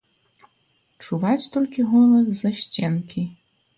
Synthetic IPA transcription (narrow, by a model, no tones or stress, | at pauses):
t͡ʂuvat͡sʲt̪ɔlʲkʲiɣɔlˠɐzzɐɕt͡sʲenkʲʰi